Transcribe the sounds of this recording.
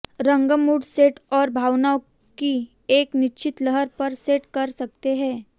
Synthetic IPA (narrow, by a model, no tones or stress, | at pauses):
ɾə̃ŋɡəmuːɖseːʈɔːɾbʱaːʋnao | ki | eːknɪt͡ʃɪt̪ləɦəɾpɐɾseːʈkɐɾsɐk̚t̪eɦɛ̃ː